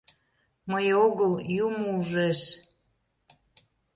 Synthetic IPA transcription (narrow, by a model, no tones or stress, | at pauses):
məjoɣəljumouʒeʃ